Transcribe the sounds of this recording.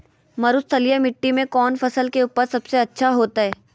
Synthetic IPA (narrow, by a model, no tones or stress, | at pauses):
mɐɾʊst̪ʰɐlijamɪʈːimẽkɔːnfɐsəlkeuːpəɾsɐbseɐtːʃʰaɦoːt̪aɦɛː